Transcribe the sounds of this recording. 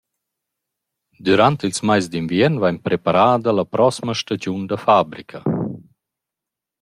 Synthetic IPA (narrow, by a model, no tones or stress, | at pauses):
d̪yɾant̪ilsmajzd̪invjɛnvaɲpɾepaɾaːd̪əlɐpɾɔsməʃtad͡ʒund̪əfabɾikʰɐ